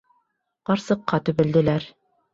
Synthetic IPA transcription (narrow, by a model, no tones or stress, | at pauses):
qɑɾsɤ̆qːɑt̪ɵ̆βɘ̆ld̪ɘ̆læɾ